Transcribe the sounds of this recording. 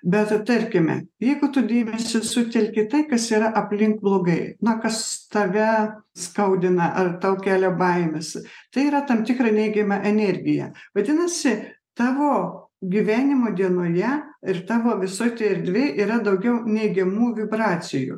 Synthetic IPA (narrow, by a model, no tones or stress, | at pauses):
bʲɛt̪t̪ɐɾʲkʲɪmʲɛ̰jɛɪɡʊt̪ʊd̪ʲeːmʲɛsʲɪsʊt̪ʲɛlʲkʲɪt̪ɐɪkɐsiːɾɐʔɐpʲlʲɪŋkblˠoːɡɐɪnʊkɐst̪ɐʋʲɛskɐʊd̪ʲɪnɐʔɐrt̪ɐʊkʲæːlʲobɐɪmʲɪst̪ɐɪiːɾɐt̪ɐmt̪ʲɪkɾɐnʲɛɪɡʲɛmʲɛʔɛnʲɛɾʲɡʲɪjɛ̰ʋɐd̪ʲɪnɐsʲɪt̪ɑːʋoːɡʲiʋʲæːnʲɪmoːd̪ʲiɛnoːjɛɪrt̪ɑːʋoːʋʲɪsoːt̪ʲeɛɾʲd̪ʲʋʲeːʔiːɾɐd̪ɐʊɡʲɛʊnʲɛɪɡʲɛmuːʋʲɪbɾɑːt͡sʲɪjṵ